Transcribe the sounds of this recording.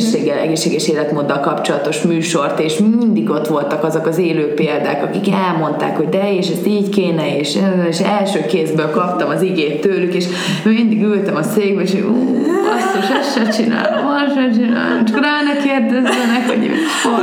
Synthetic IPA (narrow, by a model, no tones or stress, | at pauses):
ʃːeːɡːɛlɛ̰ɡeːʃːeːɡɛʃeːlɛt̪moːd̪ːɒlkɒpt͡ʃo̞lɒt̪o̞ʃmyːʃo̞rt̪eːʃmind̪iɡo̞t̪ʋo̞lt̪ɒkɒzokɒzeːløːpeːld̪a̰ːkɒkikɛlmo̞nt̪a̰ːkho̞ɟd̪ɛeːʃɛst̪iːɟkeːnɛeːʃeɛleʃɛlʃøːkeːzbøːlkɒp̚t̪ɒmɒziɡeːt̪ːøːlykeːʃ | øːmind̪iɡylt̪ɛmɒseːɡbɛeʃouːɒst̪iʃɛsʃɛt͡ʃina̰ːl | onʃɛt͡ʃina̰ːl̰mt͡ʃɒkraːnɛkeːrd̪ɛzøːnɛkho̰ɟḛ | fo